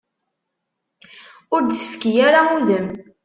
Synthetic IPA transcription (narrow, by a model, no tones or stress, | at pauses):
ʊɾd̪səfkijaɾauðəm